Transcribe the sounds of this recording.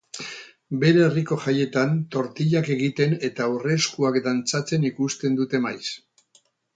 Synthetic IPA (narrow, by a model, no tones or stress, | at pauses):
be̞ɾeːriko̞ʝaje̞t̪ant̪o̞ɾt̪iʎake̞ɣit̪e̞ne̞t̪awre̞skuakd̪ant͡sat͡se̞nikust̪e̞nd̪ut̪e̞majs